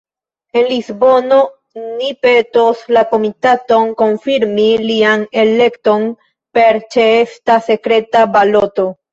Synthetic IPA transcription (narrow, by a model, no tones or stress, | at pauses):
e̞nlizbo̞no̞ | nipetoslako̞mitato̞nko̞nfiɾmiliane̞le̞kto̞n | pe̞ɾt͡ʃeestase̞kɾe̞tabaloto̞